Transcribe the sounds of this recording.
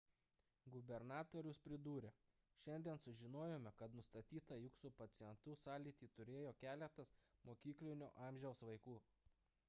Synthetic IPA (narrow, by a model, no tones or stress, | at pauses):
ɡʊbʲɛɾnɑːt̪oːɾʲʊspʲɾʲɪd̪uːɾʲɛ | ʃʲɛnʲd̪ʲiɛnsʊʒʲɪnoːjoːmʲɛkɐt̪nʊst̪ɐt̪ʲiːt̪ɑjʊksuːpɐt̪sʲɪjɛnt̪ʊsɑːlʲiːt̪ʲiːt̪ʊɾʲeːjoːkʲæːlʲɛt̪ɐsmoːkʲiːklʲɪnʲo̰ːʔɑˑmʲʒʲɛʊsʋɐɪkuː